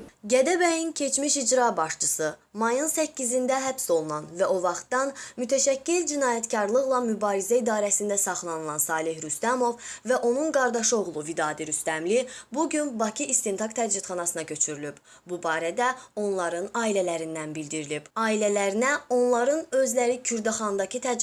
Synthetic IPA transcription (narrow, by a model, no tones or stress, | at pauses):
ɟæd̪æbæjincʰe̞t͡ʃʰmiʃid͡ʒɾɑbɑʃt͡ʃʰɯsɯmɑjɯnsæcːizind̪æɦæpso̞lˠunɑnvæo̞vɑχt̪d̪ɑnmyt̪ʰæʃæcːild͡ʒinɑːjæt̪cʰɑɾlˠɯʁlˠɑmybɑːɾizæid̪ɑːɾæsind̪æsɑχlˠɑnɯlˠɑnsɑːlˠeɦɾyst̪æmo̞vvæʔo̞nunɡɑɾd̪ɑʃɯo̞ʁlˠuvid̪ɑːd̪iɾyst̪æmlibuɟynbɑcʰiist̪int̪ʰɑkt̪ʰæd̪d͡ʒit̪χɑnɑsɯnɑcʰø̞t͡ʃʰyɾylyb̥ | bubɑːɾæd̪æo̞nlˠɑɾɯnɑːilælæɾind̪ænbild̪iɾilib̥ɑːilælæɾinæo̞nlˠɑɾɯnø̞zlæɾicʰyɾd̪ɑχɑnd̪ɑcʰit̪ʰæ